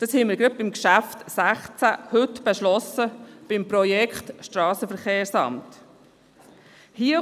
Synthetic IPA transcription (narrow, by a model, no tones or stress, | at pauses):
d̥ɑshɛnməɾɡɾɑt̚bɪmkʃæftsæχt͡sæhʏtb̥eʃlɔsəb̥ɪmpɾɔjɛkχtʃtɾɑːsəfəɾχeːɾsɑ̰mt | hiə